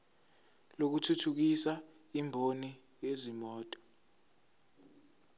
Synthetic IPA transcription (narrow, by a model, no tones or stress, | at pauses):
lok̬utʰutʰuk̬isa | imbʱoni | ezimɔːtʼɔ̥